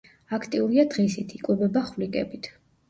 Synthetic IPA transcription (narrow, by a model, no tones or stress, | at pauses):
akʰt̪ʼiuɾiad̪ʁɛsit̪ʰikʼwɛbɛbaχvlikʼɛ̰bit̪ʰ